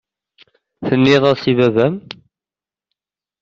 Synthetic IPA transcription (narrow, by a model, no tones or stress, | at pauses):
θənːɪðˤɑsivævæm